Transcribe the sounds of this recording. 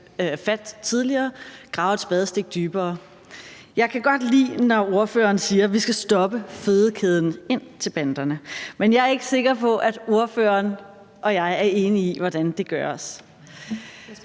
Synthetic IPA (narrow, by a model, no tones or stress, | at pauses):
øfæd̥t͡sʰið̞ˠliɐːɡ̥ʁɑ̈ʊsb̥ɛð̞ˠsd̥e̝ɡ̥̚d̥yːb̥ɐː | jɑ̈ɪkʰæɡ̥ɒ̽d̥lḭːnɒo̝ɐfø̰ːɐːnsiːɐʋisɡ̥æsd̥ɒ̽b̥əfe̝ðˠkʰeð̞ˠn̩e̝n̰t͡sʰe̝lb̥ænd̥ɐnəmenjɑ̈æɐe̝ɡ̥əse̝ɡ̥ɐpʰɒ̽ʔæd̥o̝ɐfø̰ːɐːn | ʔɒ̽jɑ̈ɪæɐe̝ːniiʋɒd̥ænd̥e̝ɡ̥ɶɐs